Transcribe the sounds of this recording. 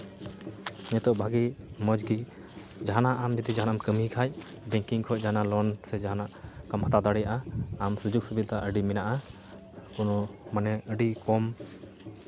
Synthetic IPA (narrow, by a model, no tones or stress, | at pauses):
ɲɛt̪ɔʔbʱaɡimɔd͡ʒɡi | d͡ʒaɦanaʔamd͡ʒəd̪id͡ʒaɦanaamkəmikʰaj | bɛ̃ŋkiŋkʰɔʔ̚d͡ʒaɦanalɔnsɛd͡ʒaɦanaʔkɔmɦat̪ad̪aɽɛjaʔaːmsud͡ʒuɡ̚subid̪aʔəɖimɛnaʔa | kunɔmanɛəɖikɔm